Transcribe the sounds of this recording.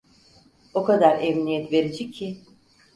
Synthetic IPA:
okad̪aɾɛmnijɛt̪ve̞ɾed͡ʒɛcʰːɪ

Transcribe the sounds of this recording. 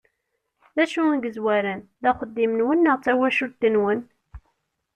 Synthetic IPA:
ðæʃunɡəzwæɾænðæχəd̪ːimnwənːəʁt͡sːæwæʃut̪ːənwən

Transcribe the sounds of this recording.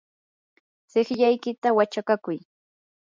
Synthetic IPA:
sɪχʎajkɪt̪awat͡ʃakakʊj

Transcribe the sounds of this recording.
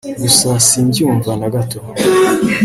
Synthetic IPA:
ɡusasiːɲɟiuːɱvanaɡatom

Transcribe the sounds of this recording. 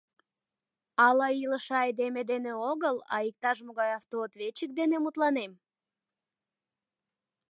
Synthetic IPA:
ɑlɑiləʃɑjd̪emed̪eneoɣəlɑ̰ik̚t̪ɑʃ̬moɣɑjɑft̪oːt̪βet͡ɕək̚d̪enemut̪lɑnem

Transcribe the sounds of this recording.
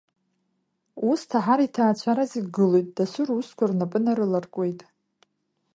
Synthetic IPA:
ustʰaħaɾitʰaːt͡ɕʷʰaɾaziɡɨlojtʼdasʷʊruskʷʰarnapʼɨnaɾɨlarkʷʼe̞jtʼ

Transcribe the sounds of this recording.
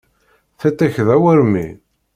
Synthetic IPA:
θæt̪ːæçðæwəɾmḭ

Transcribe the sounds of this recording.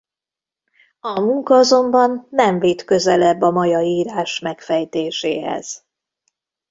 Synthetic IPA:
ɒmuŋkɒɒzo̞mbɒnːɛɱveːt̪kø̞zɛlɛbːɒmɒjɒiːɾaːʃmɛkfɛjt̪eːʃeːɦɛ̰z̥

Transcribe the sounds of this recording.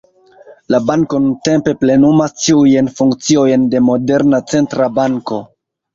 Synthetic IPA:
labaŋko̞nunte̞mpe̞ple̞numastiujenfuŋkt͡sio̞jnde̞mo̞de̞ɾnat͡se̞ntɾabaŋko̞

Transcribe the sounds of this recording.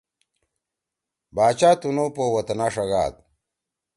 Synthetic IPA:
baːt͡ɕaːt̪unopowɐt̪ɐnaːʂɐɣa̰ːd̪̚

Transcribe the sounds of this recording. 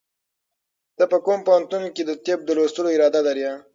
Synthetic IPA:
t̪əpəkompowant̪unked̪ət̪ep̚d̪əlost̪əloɪɾɑd̪ad̪aɾja

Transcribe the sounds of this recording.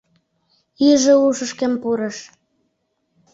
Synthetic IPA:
iʒĕuʃəʃkĕmpuɾə̆ʃ

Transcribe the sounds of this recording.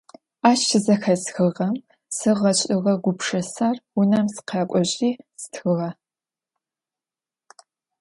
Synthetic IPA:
aːʃʰɨzɐxɐzxɨʁɐm | sɨʁɐɕʼɪʁɐɡʷʊpʰʂɐsaːrwʊnɐmsqʰɑːkʷʼɔɕʼiːsɨ̥tʰxɨʁɐ

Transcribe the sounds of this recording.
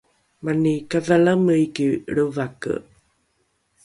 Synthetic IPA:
manikaðalaməjkiɭəvakə̰

